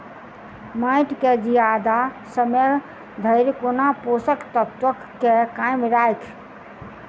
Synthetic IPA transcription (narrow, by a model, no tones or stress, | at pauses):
maɪʈked͡ʒijad̪a | səmeɾ | d̪ʱəɪɾkonaposəkt̪ət̪ʋəkːekajmɾajkʰ